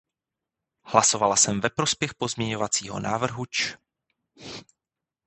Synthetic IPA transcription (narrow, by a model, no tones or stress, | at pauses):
hlaso̞valasɛmvɛpɾo̞spjɛxpo̞zmɲɛɲo̞vat͡siːɦo̞̰naːvr̩ɦut͡ʃ